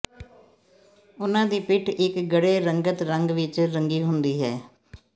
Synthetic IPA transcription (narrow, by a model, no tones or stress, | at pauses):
ʊnãːd̪iːpɪʈʰɪkɡəɽeːɾəŋɡət̪ɾəŋɡʋɪt͡ʃɾəŋɡiːɦʊnd̪iːɦɛː